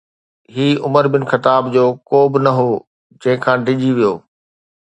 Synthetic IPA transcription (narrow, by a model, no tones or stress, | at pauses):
ɦiːʊməɾbɪn̆xɐt̪aːbd͡ʑoːkoːbɪnɐɦoː | d͡ʑɐ̃ɦɪ̃kʰãːɖʱɪd͡ʑiʋijoː